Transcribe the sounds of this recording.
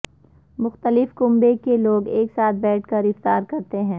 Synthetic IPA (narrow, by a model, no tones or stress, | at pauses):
mʊxt̪əlɪfkʊ̃mbekeloːɡeːksaːt̪̚ʰbɛːʈ̚ʰkɐɾɪft̪aːɾkɐɾt̪eɦɛ̃ː